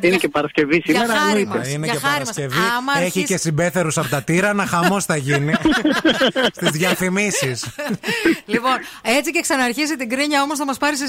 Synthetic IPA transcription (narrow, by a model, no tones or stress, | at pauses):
inecepɐɾɐsce̞visimeɾɐiineɐexɐɐɾɐisɐsceviɐmɐeçicesimbe̞θe̞ɾusɐpot̪ɐt̪iɾɐnɐxɐmo̞sθɐʝini | st̪izðʝɐfimisis | lipo̞ne̞t͡sice̞ksɐnɐːɾçisit̪iɡɾiɲɐo̞mo̞sθɐmɐspɐɾis